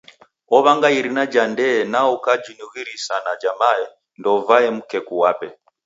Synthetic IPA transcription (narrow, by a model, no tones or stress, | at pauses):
ɔβaŋɡaiɾinad͡ʒandɛnaukad͡ʒunuwiɾisanad͡ʒamaɛ | ndɔvaɛmukɛkuwapɛ